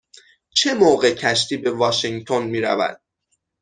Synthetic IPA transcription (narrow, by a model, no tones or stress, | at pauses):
t͡ʃʰe̞moːɣe̞cʰæʃt̪ʰiːbe̞vɒːʃiŋt̪ʰo̞nmiːɾæ̰væ̰d̪̥̚